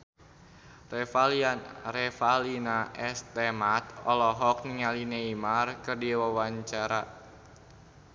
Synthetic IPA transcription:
rɛfalianrɛfalinaʔɛst̪ɛmat̪ɔlɔɦɔk̚niŋalineimarkɨrdiwawaɲt͡ʃaɾa

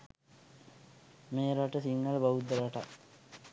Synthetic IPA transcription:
meːɾaʈəsiŋːaləbaʋud̪ːəɾaʈa

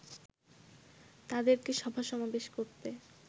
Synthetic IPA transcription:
t̪ad̪eɾkeʃɔbʱaʃɔmabeʃkoɾt̪e

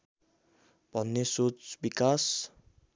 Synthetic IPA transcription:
b̥ʱʌnːesot͡sbikas

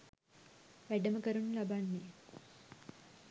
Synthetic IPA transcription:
ʋæɖəməkəɾunulabanːe

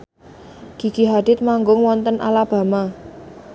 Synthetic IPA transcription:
ɡ̥i̤ɡ̥iɦad̪̥ɪt̪̚maŋɡʊŋwɔnt̪ənʔa̰lab̥ä̤ma

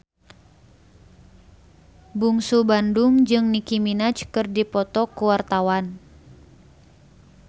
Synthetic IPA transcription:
buŋsubanduŋd͡ʒɨŋnikiminat͡ʃkɨrdipɔt̪ɔkuwart̪awan

